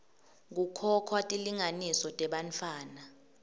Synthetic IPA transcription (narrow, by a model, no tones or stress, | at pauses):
k̬ukʰɔkʰwatʼiliŋanisɔtʼɛɓant͡fʰaːna